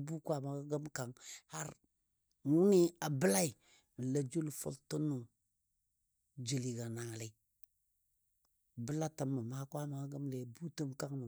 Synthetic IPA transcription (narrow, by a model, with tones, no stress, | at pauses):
bu˦kwa˦ma˨ɡa˦ɡə˦mka˨ŋha˦ɾ | wu˦ni˦a˨bə˦la˦i˨ | m˨la˨d͡ʒu˦lfo̰˦lto˦nːu˨ | d͡ʒi˨li˨ɡa˨na˨le˦ | bə˦la˦ta˨mːa˨ma˦kwa˦ma˨ɡa˦ɡə˦mle˨bu˦tə˦mka˦ŋnu˨